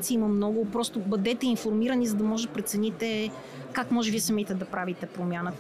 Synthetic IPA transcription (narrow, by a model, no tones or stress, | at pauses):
t̪siimɐmnɔɡʊpɾɔst̪ʊbɐd̪ɛt̪ɛinfoɾmiɾɐnizɐd̪ɐmɔʒɛd̪pɾɛt̪sɛnit̪ɛ | kakmɔʒɛviɛsɐmit̪ɛd̪ɐpɾavit̪ɛpɾomʲjanə